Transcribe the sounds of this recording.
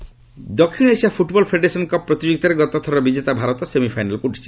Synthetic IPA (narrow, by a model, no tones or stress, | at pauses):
d̪ɔkʰːiɽɔesiapʰuʈbɔlpʰeɖeɾesɔnkɔpːɾɔt̪id͡ʒoɡit̪ɔɾeɡɔt̪ɔt̪ʰɔɾɔbid͡ʒet̪abʱaɾɔt̪ɔsemipʰajnalɔkuuʈʰi̥t͡ʃʰi̥